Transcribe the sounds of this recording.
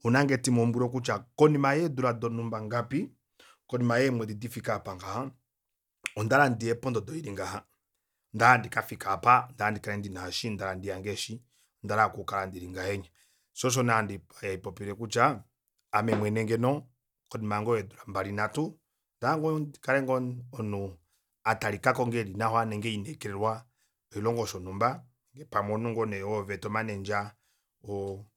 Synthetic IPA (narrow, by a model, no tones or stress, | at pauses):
unaŋɡɛtimɔmbuɾɔkut͡ʃakɔnimajɛduɾadɔnumbaŋɡapi | kɔnimajɛmwɛdidifikapaŋɡaha | ɔndaɾandiɛpɔndɔdɔiɾiŋɡaha | ndaɾandikafikapandaɾandikaɛndinaːʃindaɾandijaŋɡɛʃi | ndaɾakukaɾandiɾiŋɡahɛɲa | sɔʃ̬ɔnaandiajaipɔpiɾɛkut͡ʃaː | mɛmwɛnɛŋɡɛnɔ | kɔnimaŋɡɔjɛduɾambaɾinatu | ndaɾaŋɡɔnikaɾɛŋɡɔɔnu | ataɾikakɔŋɡɛɾinahɔanɛŋɡɛinɛkɛɾɛɾwa | ɔilɔŋɡɔʃɔnumba | ŋɡɛpamɔnuŋɡɔnɛɔvɛtɔmanɛnd͡ʒa | ɔ